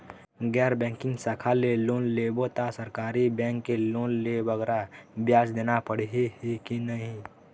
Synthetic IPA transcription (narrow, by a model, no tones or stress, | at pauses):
ɡɛːɾbɛ̃ːŋkɪ̃ŋɡsakʰaleloːnlebot̪asəɾkaːɾibɛ̃ːŋkːeloːnlebəɡɾabjaːsd̪eːnapəɽ̤ɦehikinəɦĩ